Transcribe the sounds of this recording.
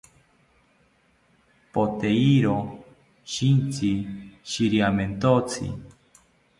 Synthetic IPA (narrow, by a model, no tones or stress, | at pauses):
pot̪eiɾo | ʃint͡siʃiɾiament̪ot͡sʰḭ